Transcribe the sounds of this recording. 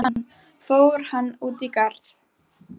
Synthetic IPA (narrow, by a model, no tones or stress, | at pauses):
n | foːwɾ̥hanːuːt̪ikaɾθ